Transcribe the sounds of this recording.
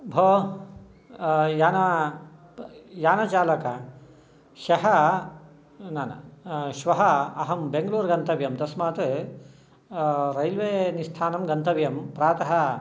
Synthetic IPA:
bʱoː | jaːnɐ | jaːnɐt͡ʃaːlɐkɐ | ʃɐɦɐ | naːnɐ̰ʃʋɐɦɐɐɦɐmbeŋɡɐɭuːɾɡɐnt̪ɐʋjɐmt̪ɐsmaːt̪ | ɾɐjlʋeːnist̪ʰaːnɐmɡɐnt̪ɐʋjɐmpɾaːt̪ɐɦɐ̆

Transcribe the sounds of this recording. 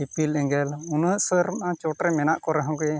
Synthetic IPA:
ipilɗɛ̃ŋɡɛlunəʔsəɾãt͡ʃɔʈɾɛmɛnaʔkɔɾɛɦɔ̃ŋkɛ

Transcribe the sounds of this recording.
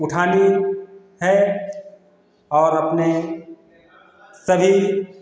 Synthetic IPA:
ʊʈʰaːne | ɦɛ | ɔːɾɐpne | sɐbʱi

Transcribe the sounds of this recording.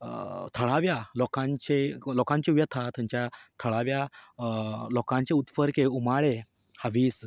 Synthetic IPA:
t̪ʰəɭaʋjalɔkãɲt͡ɕelɔkãɲt͡ɕiʋjət̪ʰat̪jãɲt͡ɕjat̪ʰəɭaʋja | lɔkãɲt͡ɕeut̪fəɾkeumaɭe | haʋiːs

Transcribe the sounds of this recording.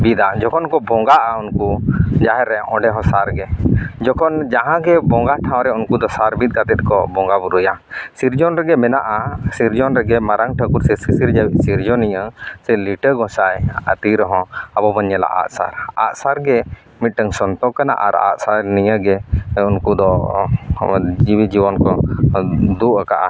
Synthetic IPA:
bid̪ad͡ʒɔkʰɔnkɔbɔŋɡaʔaunkud͡ʒaɦɛɾɛʔɔ̃ɖɛɦɔ̃saɾɡɛd͡ʒɔkʰɔnd͡ʒaɦãɡɛbɔ̃ŋɡaʈʰãw̃ɾɛunkud̪ɔsaɾbit̪̚ˀkat̪ɛt̪̚kɔbɔŋɡabuɾujasiɾd͡ʒɔnɾɛɡɛmɛnaʔasiɾd͡ʒɔnɾɛɡɛmaɾaŋʈʰəkuɾsɛsisiɾd͡ʒawit̪̚ˀsiɾd͡ʒɔniɲəsɛliʈəɡɔ̃sajə̰t̪iɾɔɦɔ̃abɔbəɲːɛla̰ʔa̰ʔsa̰ɾa̰ʔ̪saɾɡɛ | mit̪̚ˀʈəŋsɔnt̪ɔkana̰ʔa̰ɾa̰ʔsaɾniɲəɡɛunkud̪ɔ | d͡ʒibid͡ʒibɔnkɔ | d̪uʔəkaʔa̰

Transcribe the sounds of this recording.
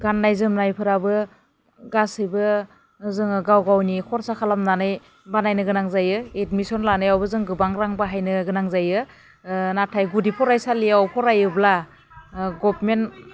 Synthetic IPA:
ɡanːajzɯmnajpʰɯɾabɯ | ɡasɯjbɯ | zɯŋɡawɡawnikʰɔɾsakʰalamnanɯj | banajnɯɡɯnaŋzajɯetmisɔnlanɯjawbɯzɯŋɡɯbaŋɾaŋbaɦajnɯɡɯnaŋzajɯ | natʰajɡudipʰɔɾajsaliawpʰɔɾajɯbla | ɡɔpmen

